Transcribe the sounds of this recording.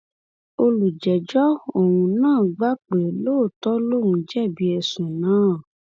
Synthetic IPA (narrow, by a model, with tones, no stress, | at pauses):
o˧lu˨d͡ʒɛ˨d͡ʒɔ˦o˨wũ˨nãː˦˨ɡ͡ba˦k͡pe˨lo˦˨tɔ˦lo˦˨wũ˧d͡ʒɛ˦˨bi˨˦ɛ˧sũ˨nãː˨˦˨